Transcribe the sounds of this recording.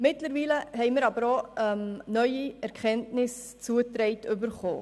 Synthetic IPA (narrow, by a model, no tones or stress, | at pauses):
mɪtləɾʋiːləɦɛɪməɾɑbəɾoɛmnœʏiɛɾkχɛntnɪs | t͡suətɾɛɪtʏbəɾχo̰ː